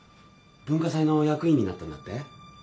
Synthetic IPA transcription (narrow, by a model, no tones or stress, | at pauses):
b̥ɯ̃ŋkasaino̞jakɯ̟ĩɲ̟ːina̰t̪ːand̪a̰t̪ːe